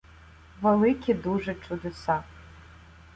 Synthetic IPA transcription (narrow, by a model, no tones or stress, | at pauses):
vɐlˠɨkʲʰiduʐɛʈ͡ʂʼud̪ɨsa